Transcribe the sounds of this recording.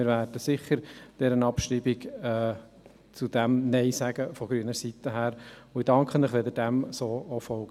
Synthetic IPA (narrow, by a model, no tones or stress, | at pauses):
mɪɾʋæːɾd̥əsɪχəɾd̥ɛɾənɑpʃtɪbɪɡɛː | t͡sud̥̪æmnɛɪsæɡəfɔɡɾyənəɾsit̪əɦæːɾʊɪdɑŋkχənləχʋed̪ədɛmsoːɔfɔlɡ